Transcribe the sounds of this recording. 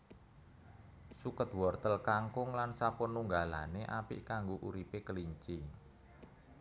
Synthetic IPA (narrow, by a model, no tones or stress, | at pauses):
sukət̪wɔrt̪əlkaŋkʊŋlansapʊnːuŋɡala̰neʔapḭʔkaŋɡoʔuɾipekəliɲt͡ʃi